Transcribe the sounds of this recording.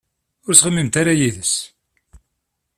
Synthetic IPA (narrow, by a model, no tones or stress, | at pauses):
ʊɾsʁəmːimt̪aɾajiðəs